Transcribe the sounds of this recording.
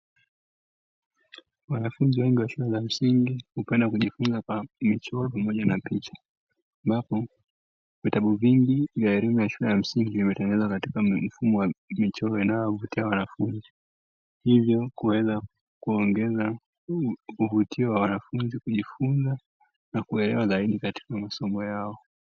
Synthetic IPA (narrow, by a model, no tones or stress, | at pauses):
wanafunziwɛŋɡiwaʃulɛzam̩siŋɡihupɛndakuʄifunzakamit͡ʃɔlɔpamɔʄanapit͡ʃḁ | ambapɔ | vitaɓuviŋɡivjaɛɾimujaʃulɛjam̩siŋɡivimɛtɛŋɛnɛzwakati̥kam̩fumɔwamit͡ʃɔlɔinajɔvutiawanafunzi | hivjɔkuwɛza | kuɔŋɡɛza | uvutʰiɔwawanafunzikuʄifunza | nakuɛlɛwazaiɗikati̥kamasɔmɔjaɔ